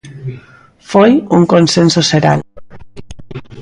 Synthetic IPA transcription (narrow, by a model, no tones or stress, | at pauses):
fojuŋkonsensoseɾa̰l